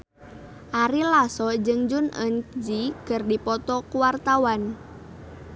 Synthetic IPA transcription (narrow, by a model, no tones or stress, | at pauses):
ʔaɾilasɔd͡ʒɨŋd͡ʒʊnə̰nd͡ʒikərdipɔt̪ɔkuwart̪awan